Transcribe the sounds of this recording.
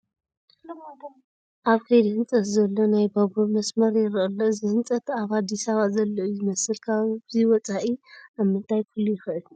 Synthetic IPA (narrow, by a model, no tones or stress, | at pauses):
ʔaβkʰɐjd̪hɨnt͡sʼɐt̪zɐlːo̞najbɐβumɐsmɐɾjɪɾʔɐlːozɨhɨnt͡sʼɐt̪ʰaβad̪ːisaβazɐlːoʔuzɨmɐsɨlkʰabɨziwɔt͡sʼaʔiamːɨnt̪ʰajkʰulːujɪxɨʔɨl